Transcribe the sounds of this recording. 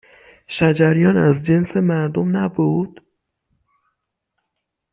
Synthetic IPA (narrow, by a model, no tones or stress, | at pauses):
ʃæd͡ʒæɾjɒːnæzd͡ʒe̞nse̞mæɾd̪omnæbuːd̪̥